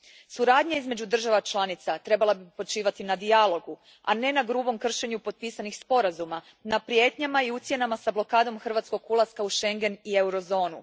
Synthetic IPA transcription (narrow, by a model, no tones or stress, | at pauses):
suɾaːd̪ɲaizme̞d͡ʑud̪r̩ʒaʋat͡ʃlˠanit̪sat̪ɾe̞balˠabipo̞t͡ʃiːʋat̪inad̪ialo̞ɡu | a̰ne̞naɡɾuːbo̞mkr̩ʃe̞ɲupo̞t̪̚piːsanixspo̞ɾazuma | napɾijet̪ɲamaiut̪sjenamasablo̞kaːd̪o̞mxr̩ʋat̪sko̞ɡulˠaskauʃe̞ŋɡe̞nie̞wɾo̞zo̞ːnu